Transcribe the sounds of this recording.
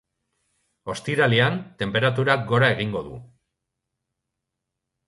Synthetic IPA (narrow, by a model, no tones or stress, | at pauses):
o̞st̪iɾaliant̪e̞mpe̞ɾat̪̬uɾak̚ɡo̞ɾae̞ɣ̞iŋɡo̞ðṵ